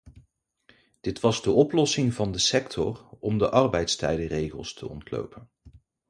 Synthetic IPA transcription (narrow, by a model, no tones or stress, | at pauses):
d̥ɪtʋɑzdəʔɔplɔsɪŋvɑndəsɛktʰɔ̰rɔmdəʔɑrbɛjtstɛjdərejχəlˠstʰə̰ɔ̰ntlo̰wpən